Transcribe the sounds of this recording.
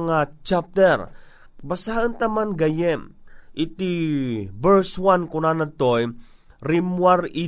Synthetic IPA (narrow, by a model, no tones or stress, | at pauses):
ŋat͡ʃap̚t̪ɛɾ | basaənt̪amanɡɐjɛmʔit̪ibɛɹswankunanat̪oj | ɾimwaɾi